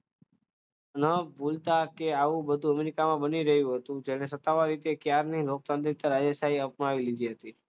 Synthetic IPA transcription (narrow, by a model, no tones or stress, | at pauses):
nəbʱult̪akeaʋũbəd̪ʱũəmeɾikamãbəniɾəɦjũɦət̪ũd͡ʒeɽ̃esət̪ːaʋaɾːit̪ekjaɾnilok̚t̪ãnt̪it̪əɾad͡ʒəsaɦiəpmaʋilid̪iɦət̪i